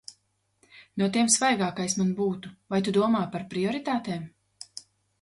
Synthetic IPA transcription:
nuɔt̪iɛmsvajɡaːkajsmanbuːt̪uvajt̪ud̪uɔmaːpaɾpɾiɔɾit̪aːt̪eːm

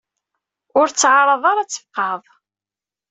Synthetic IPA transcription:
ʊɾt͡sːʕaɾˤɑðˤɑɾˤɑt͡sːə̥fqɑðˤ

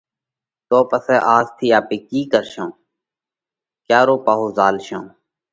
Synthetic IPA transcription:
t̪oːpəsɛːʔaːzt̪ʰiːaːpiːkiːkəɾʃõː | kjaːɾoːpaːɦoːzaːlʃõː

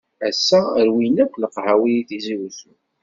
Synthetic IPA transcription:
æsːæɾwinækʷːləqhawijiθiziɾuθu

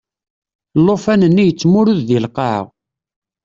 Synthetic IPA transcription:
lːofænənːijət͡sːmʊɾuððilqɑʕə̰ʁ

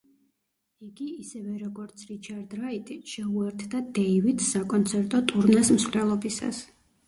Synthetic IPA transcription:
iɡiːsɛvɛɾɔɡɔɾt̪sʰɾit͡ʃʰaɾd̪ɾait̪ʼiʃɛuɛɾt̪ʰd̪ad̪ɛivit̪ʰsakʼɔnt̪sʰɛɾt̪ʼɔt̪ʼuɾnɛsmsχlɛlˠɔbisa̰s

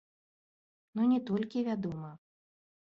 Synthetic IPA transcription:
nunʲɛt̪ɔlʲkʲivʲad̪ɔmɐ

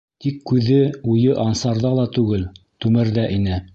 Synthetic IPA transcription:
t̪ikːʉðɘujɤʔɑnsɑɾðɑlˠɑt̪ʉɡɘl | t̪ʉmɘɾðæʔinɘ

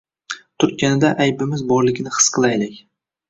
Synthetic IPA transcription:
t̪ʰʊɾ̚kʲanɪd̪aʔajbɪmɪzbɒɾlˠɪɡʲnɪχɨ̥sqʰɨlˠajlɪkʲ

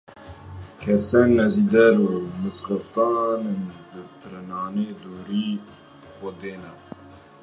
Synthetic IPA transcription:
kʰɛsɛnːɛziːd̪ɛɾumɨsqəft̪ɑːnenbɨpɨɾɛnɑːneːd̪oːɾiː | bxɔd̪eːnɛ

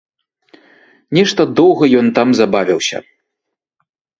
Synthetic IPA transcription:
nʲɛʂt̪ɐd̪ɔwɣɐjɔnt̪amzabavʲiwsʲɐ̰

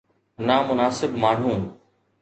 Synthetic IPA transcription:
namʊnaːsɪbmaːɳ̤ũː

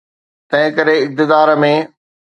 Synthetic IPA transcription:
t̪ɐ̃ɦɪ̃kɐɾeɪk̚t̪ɪd̪aːɾəmẽ

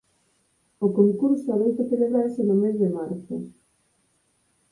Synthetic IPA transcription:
okoŋkuɾsoaβejt̪oθeleβɾaɾsenomezðemaɾθʊ

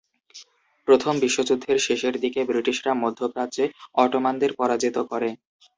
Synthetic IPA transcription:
pɾot̪ʰombiʃːod͡ʑud̪ʱːeɾʃeʃeɾd̪ikebɾiʈiʃɾamod̪ʱːopɾad͡ʑeɔʈomand̪eɾpɔɾad͡ʑit̪okɔɾe

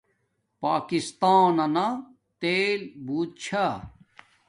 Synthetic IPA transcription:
paːkist̪aːnɐna | t̪eːlbuːt̪̚t͡ɕʰa

